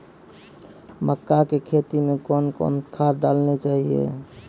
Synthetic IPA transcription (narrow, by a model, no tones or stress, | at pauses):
məkːakekʰet̪imekonkɔ̰nkʰaɾɖalnet͡ʃaɦiḛ